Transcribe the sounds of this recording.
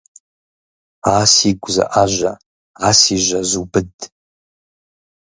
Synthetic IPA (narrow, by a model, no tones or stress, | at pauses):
aːsiɡʷza̰ʔaʒʷa | aːsiʒʷazubɨdʼ